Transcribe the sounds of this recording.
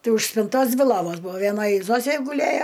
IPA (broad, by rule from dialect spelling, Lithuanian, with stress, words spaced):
ˈtɐɪ ʊʃ sʲpʲɪnˈtoːs ˈdʲʋʲɪ ˈlˠoːʋoːs ˈbʊʋoː ʋʲiɛˈnoːj ˈzoːsʲeː ɡʊˈlʲeːjoː